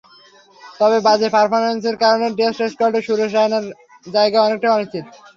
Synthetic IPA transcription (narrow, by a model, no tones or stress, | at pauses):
t̪ɔbebad͡ʑepaɾpʰoɾmenseɾkaɾoneɖesʈeskoɾɖeʃuɾeʃɾaenaɾ | d͡ʑaeɡaɔnek̚ʈajɔniʃt͡ɕit̪